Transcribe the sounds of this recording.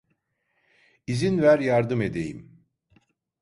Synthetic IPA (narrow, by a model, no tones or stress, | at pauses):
izinvæɾjaɾd̪ɯme̞d̪e̞jḭm